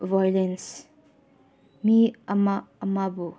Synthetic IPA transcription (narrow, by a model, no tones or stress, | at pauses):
vajlens | miɐmaːmabu